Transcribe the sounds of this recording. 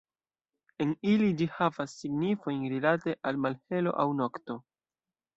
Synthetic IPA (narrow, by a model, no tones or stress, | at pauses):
e̞nilid͡ʒihavasːiɡnifo̞jnɾilate̞ʔalmalhe̞lo̞̰ʔawnokto̞